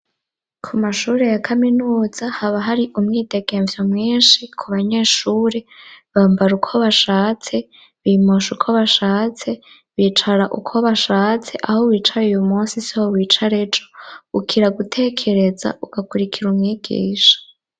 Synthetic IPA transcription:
kʰumaʃuːɾe̞jakʰaminuːz̥ahaβaɦaɾiʔumŋiːde̞ɡe̞ɱvjomŋiːnʃikʰuβaɲe̞ʃuːɾe̞βaːmbaɾukʰo̞βaʃaːt͡se̞ | βimoʃukʰoβaʃaːt͡se̞ | βiːt͡ʃaɾaʔṵkʰo̞βaʃaːt͡se̞ʔahowiːt͡ʃaɾujumuːnsisihowiːt͡ʃaɾed͡ʒo̞ukʰiɾaɡutʰe̞kʰe̞ɾe̞za̰uɡ̥akuɾikʰiɾumŋiːɡ̥ḭːʃḁ

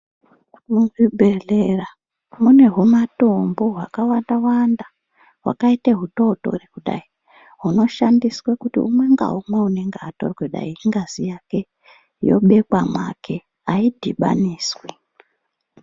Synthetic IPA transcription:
muɡibʱelera | mune̞ɦumatomboɦwa̰kawandawanda | ɦwa̰kaiteɦuto̞to̞̰rekuɗa̰i | ɦuno̞ʃandiswekutḭṵmwe̞ŋɡa̰umwe̞une̞ŋɡeato̞̰rweɗa̰ieŋɡazijake̞ | jo̞̰ɓe̞kwamwa̰kʰe̞ | aidʱiɓa̰niːswe

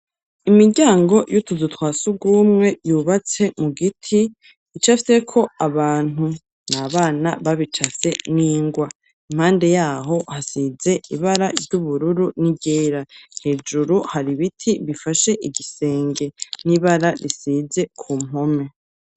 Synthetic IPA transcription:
imiɾɟaːŋɡo̞jutuzutwaːsuɡuːmŋe̞juːβat͡se̞muɡitʰiː | t͡ʃafi̥se̞kʰo̞aβaːn̥hu | naβaːnaβaβit͡ʃase̞niːŋɡwa | im̥haːnde̞jaːɦo̞hasize̞iβaɾavɟuβuɾuɾuniɟeːɾahe̞ːd͡ʒuɾuhaɾiβitʰiβifaʃe̞ʔiɡise̞ːŋɡe̞niβaɾaɾisize̞kʰuːm̥o̞me̞

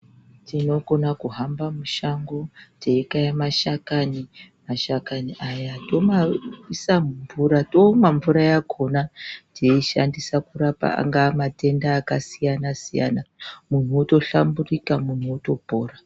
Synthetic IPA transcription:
tʰino̞ɡo̞nakuɦambamuʃaŋɡoteikajamaʃakani | maʃakaniʔajato̞maisamuɱvuɾatomaɱvuɾajakʰo̞natʰeiʃa̰ndisakurapa̰a̰ŋɡamate̞ndaːkasijanasija̰namun̤uoto̞ɬa̰mburikamun̤uoto̞po̞ːra

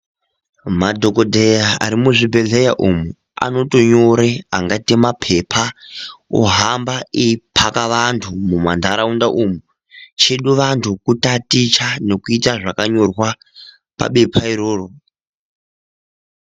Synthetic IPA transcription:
madʱo̞kodʱejaa̰ɾimuʐibʱe̞ɮejaʔumu | a̰no̞to̞ɲoɾeaŋɡatimapʰe̞pʰa | oɦambaipʰakaʋantʰumumandʱaɾaundaʔumu | t͡ʃeɗuʋantʰukutatit͡ʃane̞kuitaʐakaɲo̞rwa | pa̰ɓepʰaiɾoːro

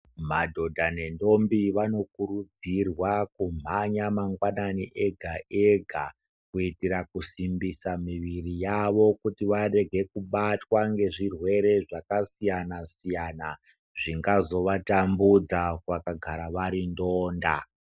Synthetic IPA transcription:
madʱo̞dʱane̞ndo̞mbiʋano̞kuɾud͡zirwakum̤aɲamaŋɡwananiʔe̞ɡʱaʔeɡʱa | kuitiɾakusimbisamiʋirijaʋo̞kutiʋare̞ɡʱe̞kuɓatwaŋɡe̞ʐirwe̞ɾe̞ʐakasijanasijana | ʐiŋɡazo̞ʋatambud͡zakwakaɡʱaɾaʋaɾindoːnda

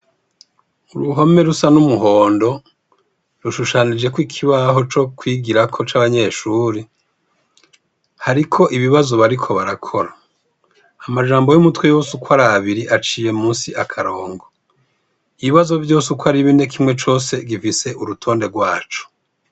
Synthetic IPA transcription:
uɾuɦome̞ɾusanumuɦo̞ːndo̞ | ɾuʃuʃanid͡ʒe̞kwikʰiβaɦo̞t͡ʃo̞kwiːɡiɾakʰo̞t͡ʃaβaɲe̞ʃuːɾe | haɾikʰo̞ʔiβiβazo̞βaɾikʰo̞βaɾakʰo̞ɾaː | maʒaːmbo̞jumutwejo̞ːsukwaɾaβiɾiʔat͡ʃiːje̞muːnsiʔakʰaɾoːŋɡo | iβiβazo̞vjo̞ːsukwaɾiβine̞kʰimŋe̞t͡ʃo̞ːse̞ɡifise̞ʔuɾutʰo̞ːnde̞ɡwaːt͡ʃo̥

